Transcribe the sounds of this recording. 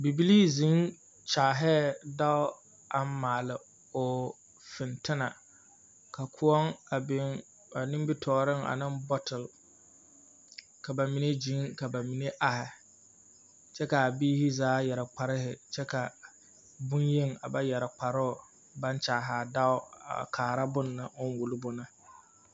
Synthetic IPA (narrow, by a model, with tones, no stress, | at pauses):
bi˨bi˦liː˦zi˦ŋ | t͡ʃaː˨ɦɛ˦da˦ʊ˦ | a˦mː˦aː˨lɪ˨ | o˨ | fɪ˨ntɪ˦na˨ | ka˨kʰʊ˦ɔ˦ŋa˨bɪ˦ŋ | a˨nɪ̃˦m˦bɪ˦tʰɔː˨ɾɪ˦ŋa̰˨nɪ˦mbɔ˦tɪ˨l | ka˨ba˨mi˨˦ne˦d͡ʒi˨˦ŋka˨ba˨mi˨ne˦ʔa˨hɪ˨ | t͡ʃɛ˦ka˨a˨biː˦hɪ˦zaː˨˦jɛ˨ɾɪ˨k͡pa˨ɾɪ˦hɪ˨t͡ʃɛ˦ka˨ | bʊ˦nje˦ŋa˨ba˦jɛ˨ɾɪ˨k͡pa˨ɾʊ˦ʊ˨ | ba˦n˦t͡ʃaː˨ɦaː˨da˦ʊ˦a̰˨kʰaː˨ɾa˦bʊ˦nːɨ˨ʊ˦n˦wu˨lɪ˦bʊ˨na˦